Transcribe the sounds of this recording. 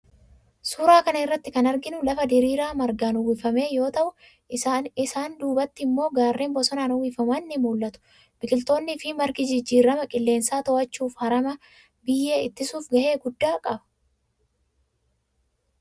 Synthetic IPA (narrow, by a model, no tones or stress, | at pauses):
suːɾaːkɐnɐɪrːɐt̪ːɪkɐnɐɾɡɪnʊlɐfɐd̪ɪɾiːɾaːmɐɾɡaːnʊwɪfɐme̞ːjo̞ːt̪ɐʔʊ | ɪsaːnd̪uːbɐt̪ːɪɪmːo̞ːɡaːrːe̞ːmbɔsɔnaːnʊwɪfɐmɐnːɪmuːlːɐt̪ʊ̥ | b̥ɪkʼɪlt̪o̞ːnːɪfɪmɐɾɡɪd͡ʒɪd͡ʒːiːɾːɐmɐkʼɪlːe̞ːnsaːt̪ɔʔɐt͡ʃːuːfhɐɾɐmɐ | bɪjːeːɪt̪ːɪsuːfɡɐhe̞ːɡʊd̪ːaːkʼɐbɐ̥